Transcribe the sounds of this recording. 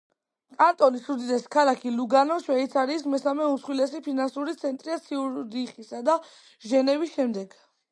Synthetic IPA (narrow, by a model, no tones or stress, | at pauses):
kʼant̪ʼɔlisud̪id̪ɛskʰalakʰiluɡanɔʃwɛit̪sʰaɾiːsmɛsamɛusχwilɛsipʰinansuɾit̪sʰɛnt̪ʼɾiat̪sʰiuɾd̪iχisad̪a | ʒɛnɛvisʃɛmd̪ɛɡ̥